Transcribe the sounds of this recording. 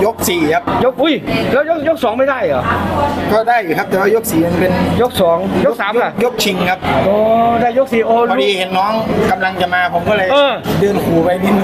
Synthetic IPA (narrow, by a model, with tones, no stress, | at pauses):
jo˦˥k̚siː˨˩kʰa˦˥p̚jo˦˥k̚ʔu˧˥˩jlɛ˦˥˩jo˦˥k̚jo˦˥k̚sɔː˩˦ŋma˥˩jdaː˥˩jʔɔː˨˩kɔː˧˥˩daː˥˩juː˨˩kʰa˦˥p̚t̪ɛː˨˩waː˥˩jo˦˥k̚siː˨˩ma˧npe˧njo˦˥k̚sɔː˩˦ŋjo˦˥k̚saː˩˦mʰa˧˩jo˦˥k̚t͡ɕʰi˧ŋkʰa˦˥p̚ʔɔː˧daː˥˩jo˦˥k̚siː˨˩ʔoː˧˩lɔ˧˦˨diː˧he˨˦nːɔː˦˥˩ŋka˧mla˧ŋt͡ɕa˨˩maː˧pʰo˨˦mkɔː˥˩lɤː˧˩ɤː˧˩dɯː˧nkʰuː˨˩pa˧jmi˦˥n